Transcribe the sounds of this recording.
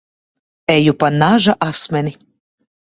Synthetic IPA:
ɛjupanaʒaʔasmʲɛni

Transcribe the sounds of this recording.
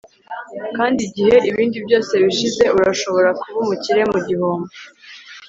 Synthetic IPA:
kaːndiɟihe̞ʔiβiːndibjo̞ːse̞βiʃize̞uɾaʃo̞βo̞ɾakuβumuciɾe̞muɟihuːmbu

